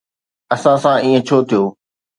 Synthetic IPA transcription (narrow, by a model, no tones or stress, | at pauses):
ɐsãsãiːə̃t͡ɕʰoːt̪ʰijoː